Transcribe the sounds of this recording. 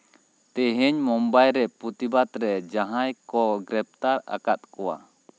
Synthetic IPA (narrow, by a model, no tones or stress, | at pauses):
t̪ɛɦɛɲmɔmbajɾɛpɾut̪ibat̪ɾɛd͡ʒaɦãjkɔɡɾɛp̚t̪aɾa̰kat̪̚kɔwa̰